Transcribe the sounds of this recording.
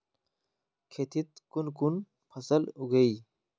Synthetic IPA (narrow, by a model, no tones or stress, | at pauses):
kʰet̪ʰit̪̚kunkun | pʰɐsəluɡəi